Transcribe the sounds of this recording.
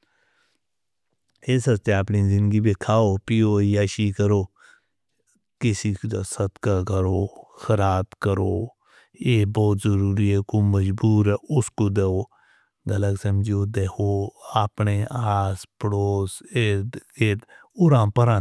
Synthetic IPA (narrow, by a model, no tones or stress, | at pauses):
eːsəst̪eaːpnizɪ̃nd̪ɡibekʰaːoːpijoːiaːʃiːkəɾoː | kɪsikd̪sət̪kakəɾoːxəɾaːt̪kəɾoː | eːbɔːt̪zəɾuːɾiɛkoməd͡ʒbuːɾɛʔʊskod̪eːoː | ɡələksəmd͡ʒoːd̪eːkʰoːaːpneːʔaːspəɽoːseeː | ʊɾãːpəɾãː